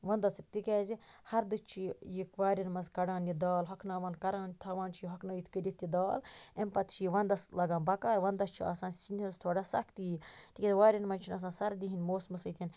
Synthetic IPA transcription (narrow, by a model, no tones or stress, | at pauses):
ʋɐnd̪ɐt͡sɨk̚t̪ikʲɛːzihɐɾd̪ɨt͡ʃʰijikʋaːɾʲɐnmɐzkɐɽaːnjid̪aːlɦɐkʰnaːʋɐnkɐɾaːnt̪ʰɐʋaːnt͡ʃʰijiɦɐkʰnaːjit̪ʰkəɾʲit̪ːid̪aːlempɐt̪t͡ʃʰiiʋɐnd̪ɐslɐɡãːnbɐkaːɾʋɐnd̪ɐst͡ʃʰia̰ːsãːnsinʲd̪ʲinst̪ʰoːɖaːsɐ̰kʰt̪iːt̪ikʲzʋaːɾʲjɐnmɐnʲt͡ʃʰinɐs̬ãːsɐɾd̪iɦinʲmoːsmɨsɐjt̪ʰin